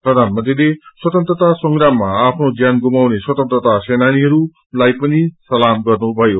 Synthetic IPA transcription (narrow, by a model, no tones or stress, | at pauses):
pɾrʌd̪ʱanmʌnt̪rileswʌt̪ʌnt̪rʌt̪asʌŋɡramːaapʰnod͡zjanɡumawneswʌt̪ʌnt̪rʌt̪asenaniɦʌɾu | lajpʌnisʌlamɡʌrnubʱʌjo